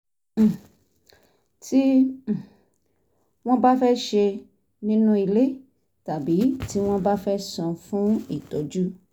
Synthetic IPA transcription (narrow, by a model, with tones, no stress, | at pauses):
ti˦˨ | w̃ɔ̃˦ba˦fɛ˦ʃe˧ | nĩ˦nũ˦i˧le˦ | ta˨bi˨˦ti˦w̃ɔ̃˦ba˦fɛ˦sɔ̃˧fũ˦ḭ˦˨tɔ˨˦d͡ʒu˦